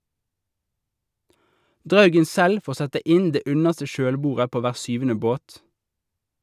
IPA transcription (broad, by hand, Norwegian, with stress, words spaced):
ˈdʁɑʉɡən ˈsɛl ˈfoːʁ ˈsɛtə ˈɪn ˈdeː ˈʉnəʁstə ˈʃøːlˌbuːʁə ˈpoː ˈʋæːʁ ˈsʏʋn̩ə ˈboːt